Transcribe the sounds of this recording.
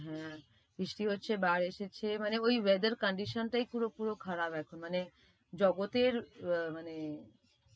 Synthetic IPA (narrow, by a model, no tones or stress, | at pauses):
ɦɛ̃ | bɾiʃʈiɦotːɕʰebaɾeʃet͡ɕʰemaneoiʋed̪əɾkəɳɖiʃənʈaipuɾopuɾokʰaɾabɛkʰunmane | d͡ʑɔɡot̪eɾmane